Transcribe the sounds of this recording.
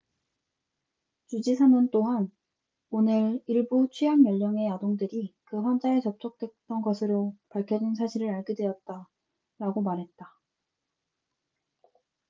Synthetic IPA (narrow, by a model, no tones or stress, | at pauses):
t͡ɕud͡ʑisʰamɯnt͈oɦan | onɯɾiɭbut͡ɕʰɥiamjʌʎːʌŋe̞jadoŋdɯɾikɯɸwand͡ʑaet͡ɕʌp̚t͡ɕ͈ʌk̚t͈we̞t̚t͈ʌnɡʌsʰɯɾopaɭkʰjʌd͡ʑinsʰaɕʰiɾɯɾaɭɡidwe̞ʌt̚t͈a | ɾaɡomaɾɦe̞t̚t͈a